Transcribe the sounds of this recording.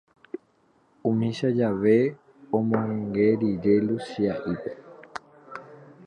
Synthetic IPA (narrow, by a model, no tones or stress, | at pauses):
ũmĩʃad͡ʒaʋe̞ | õmõẽŋɡeɾiɾelusiaʔipe̞̥